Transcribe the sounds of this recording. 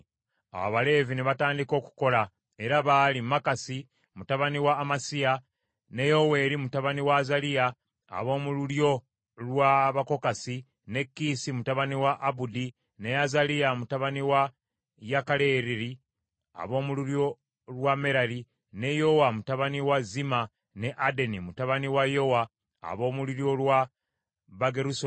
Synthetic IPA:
a̰wa̰βale̞ːvineβataːndiko̞ːku̥ko̞la | e̞ɾaβalimakasi | mutaβaniwaːmasija | nejo̞we̞ɾimutaβaniwazalia̰ː | βo̞ːmululjo̞ | lwaβako̞kasi | ne̞kːisimutaβaniwaʔːbudi | ne̞azalijamutaβaniwa | jakale̞ɾiɾi | a̰βo̞ːmuluɾjo̞ | lwameɾaɾi | ne̞jo̞wamutaβaniwazima | ne̞ʔade̞nimutaβaniwajo̞wa̰ː | βo̞ːmuliɾjo̞lwa | βaɡeɾuso

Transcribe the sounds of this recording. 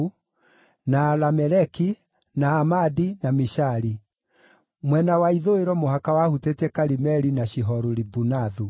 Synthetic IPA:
nalamɛɾɛki | naːmadinamiʃaɾi | mwɛnawaiðoeɾɔmoɦakawahutetɛkaɾimɛɾinaɕiɦɔɾuɾibunaðu

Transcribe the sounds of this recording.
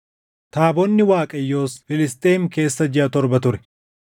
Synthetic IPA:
t̪aːbɔnːɪwaːkʼɐjːo̞ːsfɪlɪst̪ʼeːmke̞ːsːɐd͡ʒɪʔɐt̪ɔɾbɐt̪ʊɾɛ̥

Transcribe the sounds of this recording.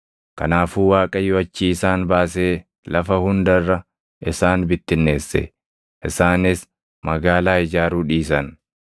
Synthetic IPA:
kɐnaːfuːwaːkʼɐjɔɐt͡ʃːiːɪsaːnbaːse̞ː | lɐfɐhʊnd̪ɐrːɐ | ʔɪsaːnbɪt̪ːɪnːe̞ːsːɛ̰ | ʔɪsaːnɪs | mɐɡaːlaːɪd͡ʒaːɾuːᶑiːs̬ɐn

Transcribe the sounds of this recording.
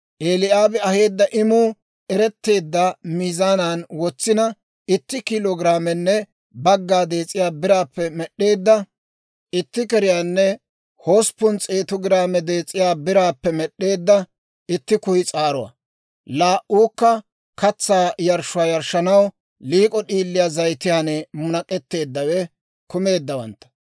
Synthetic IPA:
ʔeːlɪaːbɛɐhe̞ːd̪ːɐʔɪmuː | ɛɾɛt̪ːe̞ːd̪ːɐmizaːnaːnwɔt͡sːɪnɐ | ɪt̪ːɪkɪloːɡɾaːmɛnːɛ | bɐɡːaːd̪e̞ːt͡sʼɪjaːbɪɾaːpːɛmɛɗːe̞ːd̪ːɐ | ʔɪt̪ːɪkɛɾɪjaːnːɛ | ho̞ːspːʊnt͡sʼeːt̪ɔɡɪɾaːmɛd̪e̞ːt͡sʼːɪjaːbɪɾaːpːɛmɛɗːe̞ːd̪ːɐ | ɪt̪ːɪkʊjɪt͡sʼaːɾʊwɐ̰ | laːʔuːkːɐ | kɐt͡sːaːjɐɾʃʊaːjɐɾʃːɐnɐw | liːkʼɔɗiːlːɪjaːzɐjt̪ɪjanɛmʊnɐkʼɛt̪ːe̞ːd̪ːɐwɛ | kʊme̞ːd̪ːɐwɐ̰nt̪ːɐ̥

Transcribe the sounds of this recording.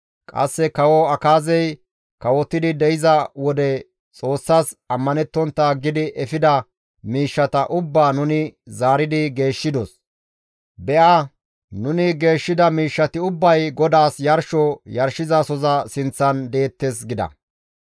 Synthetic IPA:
kʼɐ̰sːɛkɐwɔɐkaːzɛj | kɐwɔt̪ːɪd̪ɪd̪ɛjɪzɐwɔd̪ɛ | t͡sʼo̞ːsːaːsɐmːɐnɛt̪ːɔnt̪ːɐɡɪd̪ɪʔɛfɪd̪ɐ | miːʃːɐt̪ɐʔʊbːaːnʊnɪzaːɾɪd̪ɪɡe̞ːʃːɪd̪ɔs | bɛʔa | nʊnɪɡe̞ːʃːɪd̪ɐmiːʃːɐt̪ɪʊbːɐjɡɔd̪aːsjɐɾʃɔjɐɾʃɪzɐsɔzɐsɪnt͡sːɐnd̪e̞ːt̪ːesɡɪd̪ɐ̰

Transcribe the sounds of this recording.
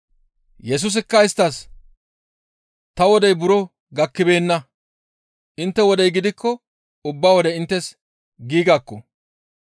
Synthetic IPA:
jɛs̬ʊs̬ɪkːɐɪst̪ːɐs | t̪ɐwɔd̪ɛjbʊɾɔ | ɡɐkːɪbe̞ːnːɐ | ʔɪnt̪ːɛwɔd̪ɛjɡɪd̪ɪkːɔ | ʊbːaːwɔd̪ɛɪnt̪ːɛs | ɡiːɡaːkːɔ

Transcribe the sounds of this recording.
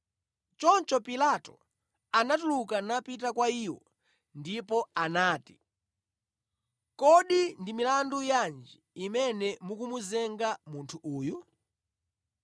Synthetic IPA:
t͡ʃɔnt͡ʃɔpilatɔ | anatulukanapit̬akwaiwɔ̰ | ndipɔanaːti̥ | kɔɗindimilandujand͡ʒiimɛnɛmukumuzɛŋɡamuntʰuʔuːju

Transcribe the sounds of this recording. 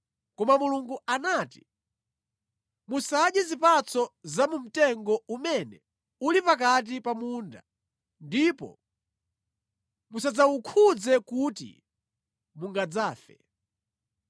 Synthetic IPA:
kɔmamuluŋɡuanaːti̥ | musaɗjɛzipat͡sɔzamum̩tɛŋɡɔumɛnɛ | ulipak̬at̬ipamunda̰ | ndipɔ̰ | musad͡zaukʰud͡zɛkutḭ | muŋɡad͡zaːfɛ̰

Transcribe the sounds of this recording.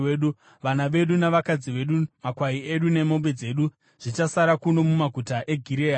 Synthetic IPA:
eːɗu | ʋanaʋe̞ɗunaʋakad͡ziʋe̞ɗumakwaie̞ɗune̞mo̞mbe̞d͡ze̞ːɗu | ʐ̥it͡ʃasaɾakuno̞mumaɡʱutaʔe̞ɡʱiɾeːa

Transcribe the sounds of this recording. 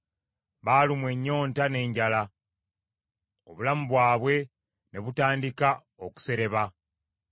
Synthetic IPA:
βaːlimwe̞ɲːo̞ːntane̞ːɲɟala | o̞̰βulamuβwaːβwe̞ | ne̞βutaːndika | o̞ku̥se̞ɾe̞βa

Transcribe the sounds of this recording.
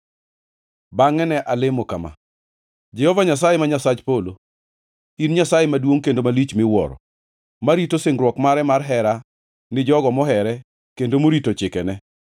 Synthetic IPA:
baŋɛnɛʔalɪmokama̰ | d͡ʒɛhɔvaɲasajemaɲasad͡ʒpolo | inɲasajemadwoŋkendomalit͡ʃmɪwɔ̰ɾɔ̰ | maɾitosɪŋɡɾwɔkmaɾɛmarɦɛɾa | nɪd͡ʒɔɡɔmɔɦɛɾɛ | kendomoɾitot͡ʃɪkɛnɛ

